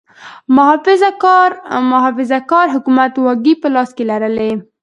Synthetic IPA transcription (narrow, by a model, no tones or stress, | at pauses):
mʊɦɑfɪzɾmʊɦɑfɪzakɑɾɦʊkumat̪wɑɡipəlɑskelaɾəle